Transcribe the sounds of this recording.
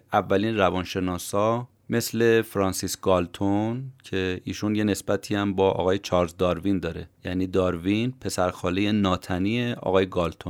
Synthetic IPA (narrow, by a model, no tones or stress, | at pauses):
ævːæliːnrævɒːnʃe̞nɒːsɒː | me̞sle̞fɾɒːnsisɡ̥ɒːlt̪ʰoncʰe̞iːʃunje̞ne̞sb̥æt̪ʰiːæmbɒːʔɒ̰ːɣɒːjet͡ʃʰɒːɾzd̪ɒːɾvind̪ɒːɾejæniːd̪ɒːɾvinpʰe̞sæɾxɒːlejenɒːt̪ʰæniːeɒ̰ːɣɒːjeɡɒːlt̪ʰon